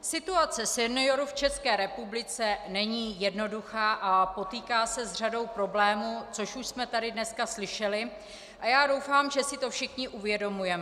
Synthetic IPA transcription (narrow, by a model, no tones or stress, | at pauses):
sɪt̪uat͡sɛsɛnɪo̞ɾuft͡ʃɛskɛːɾɛpublɪt͡sɛnɛɲiːjɛdno̞duxaːʔapo̞t̪iːkaːsɛzr̝ado̞wpɾo̞blɛːmut͡so̞ʃuʃsmɛt̪adɪdnɛskaslɪʃɛlɪ | ʔajaːdo̞wfaːmʒɛsɪt̪o̞fʃɪxɲɪʔuvjɛdo̞mujɛmɛ